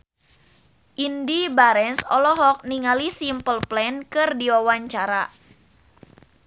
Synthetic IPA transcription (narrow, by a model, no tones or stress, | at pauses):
ʔindibaɾɛnsɔlɔɦɔk̚niŋalisimpəlplɛnkɨrdiwawaɲt͡ʃaɾa